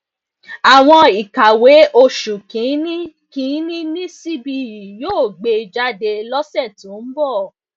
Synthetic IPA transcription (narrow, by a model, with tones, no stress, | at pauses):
a˨w̃ɔ̃˧i˨ka˨we˨˦ʔo˧ʃu˨kĩ˨˦nĩ˦ | kĩ˨˦nĩ˦nĩ˦si˦bi˧ji˨joː˦˨ɡ͡be˧d͡ʒa˦de˧lɔ˦sɛ˦˨tũ˨˦n̩˦bɔ˦˨